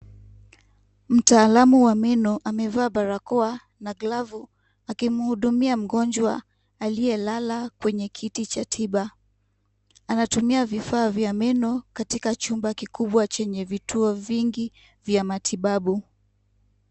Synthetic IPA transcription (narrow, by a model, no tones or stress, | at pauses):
m̩taːlamuwamɛnɔʔamɛvaːɓaɾakɔa | naɡlavu | akim̩huɗumiam̩ɠɔnd͡ʒwa | aliɛlalakwɛɲɛkʰitit͡ʃatʰiɓa | anatumiavifaːvjamɛnɔkatikat͡ʃumbakikuɓwat͡ʃɛɲɛvituɔviŋɡi | vjamatʰiɓaɓu